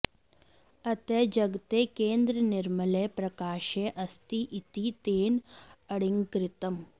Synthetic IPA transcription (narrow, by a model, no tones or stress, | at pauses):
ɐt̪ed͡ʒɐɡt̪eːkẽːnd̪ɾənɪɾmələpɾɐkaːʃeːʔɐst̪iʔɪt̪it̪eːnɐɽɪŋɡkɾɪt̪əm